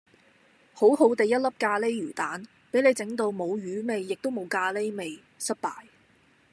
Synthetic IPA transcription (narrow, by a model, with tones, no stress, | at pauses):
ho˨˥wɦo˨˥wt̪e˨jɐ˥t̚lɐ˥p̚kaː˧le˥jɥyː˨˩t̪aː˨˥n | pe˨˥jle˨jt͡sɪ˨˥ŋt̪o˧wmo˨˧wjyː˨˥me˨jːɪ˨k̚t̪o˥wmo˨˧wkaː˧le˥jme˨j | sɐ˥t̚paː˨j